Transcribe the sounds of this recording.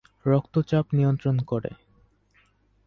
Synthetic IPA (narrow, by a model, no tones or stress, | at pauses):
ɾɔkt̪ot͡ɕapnijont̪ɾonkoɾḛ